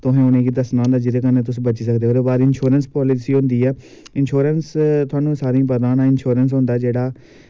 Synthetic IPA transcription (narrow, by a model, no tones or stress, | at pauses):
t̪ʊɦẽːʊnẽːkiːd̪əsnãːnd̪aːd͡ʒɪd̪eːkənːeːt̪ʊsbət͡ʃiːsəkd̪eːoːɾeːbaːɾɪnʃuːɾənspɔːlɪsiːɦʊ̃nd̪iːɛː | ɪnʃoːɾənst̪ʊaːnũːsaːɾĩːpəd̪aːnãːɪnʃoːɾəns̬ɦʊ̃nd̪aːd͡ʒeːɽaː